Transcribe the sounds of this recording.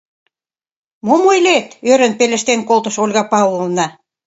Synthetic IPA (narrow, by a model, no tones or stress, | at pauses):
momojlet̪øɾə̆npelʲə̆ʃt̪enkolt̪ə̆ʃolʲɣɑpɑololnɑ